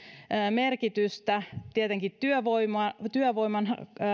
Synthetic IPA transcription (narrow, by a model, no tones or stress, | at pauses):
merkit̪yst̪æt̪iet̪eŋkit̪t̪yøʋoimɑt̪yøʋoimɑn